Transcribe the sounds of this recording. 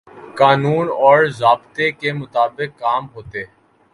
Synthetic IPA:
kaːnuːnɔːɾzaːbt̪ekemʊt̪aːbɪkːaːmɦoːt̪eː

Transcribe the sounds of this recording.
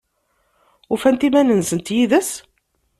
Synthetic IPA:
ʊfænt̪imænənsənt̪jiðəs

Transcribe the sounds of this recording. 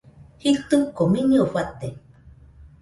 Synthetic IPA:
hit̪ɨkominioɸat̪e

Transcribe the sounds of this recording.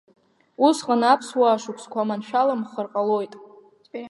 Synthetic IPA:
usqʼanapʰswaːʂukʷʼʰskʷʰamanʃᶣalamχərqʼalojtʼ

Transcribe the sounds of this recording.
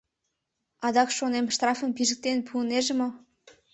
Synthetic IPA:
ɑd̪ɑkʃonemʃt̪rɑfə̆mpiʒə̆k̚t̪enpʰuəneʒə̆mŏ

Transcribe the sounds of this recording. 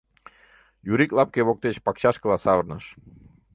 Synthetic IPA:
juɾiklɑp̚keβok̚t̪et͡ɕpɑkt͡ɕɑʃkəlɑsɑβərnəʃ

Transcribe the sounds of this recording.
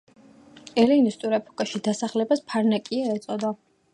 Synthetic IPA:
ɛlinist̪ʼuɾɛpʰʼɔkʼaʃid̪asaχlɛbaspʰaɾnakʼiaɛt̪sʼɔd̪a

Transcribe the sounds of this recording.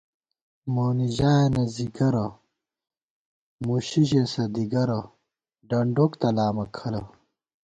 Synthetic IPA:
moːniʑaːenɐziɡɐɾɐ | muɕiʑesɐd̪iɡɐɾɐ | ɖɐɳɖokt̪ɐlaːmɐkʰɐlɐ

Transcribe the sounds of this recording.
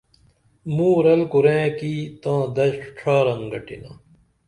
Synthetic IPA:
mũːɾɐlkuɾẽːkiːt̪ãːd̪ɐɕʈ͡ʂʰaːɾɐŋɡɐʈḭna̰ː

